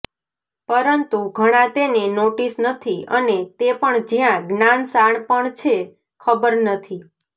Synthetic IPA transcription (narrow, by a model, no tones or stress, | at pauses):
pəɾənt̪uɡʱəɽ̃ãt̪enenoʈisnət̪ʰiənet̪epəɳd͡ʒjãɡnansaɳpəɳt͡ʃʰe | kʰəbəɾnət̪ʰi